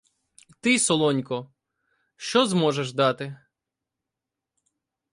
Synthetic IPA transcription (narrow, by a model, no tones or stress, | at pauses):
t̪ɪsɔlˠɔnʲkɔ | ʃt͡ʃɔzmɔʒeʒd̪ɑt̪ɪ